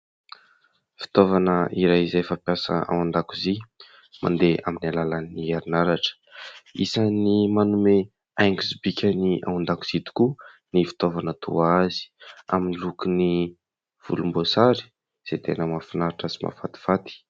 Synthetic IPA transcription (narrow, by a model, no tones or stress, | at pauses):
fi̥t̪ovanəʔiɾajizafapjasə̰a̰wand̪akuzi | ma̰nd̪ea̰minalalaniaɾinaɾaʈ͡ʂə̥isanimanume | ajŋɡuzibikʲəniʔa̰wand̪aku̥z̥it̪u̥ku | nifi̥t̪ovanət̪ʰṵazi̥a̰minilukuni | v̥ṵlumbosaɾi̥ | z̥et̪enəmafinaɾaʈ͡ʂəsi̥mʔa̰fat̪i̥fat̪i̥